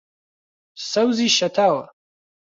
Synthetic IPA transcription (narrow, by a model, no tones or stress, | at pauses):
sɐwziʃɐt̪ʰaːwɐ̰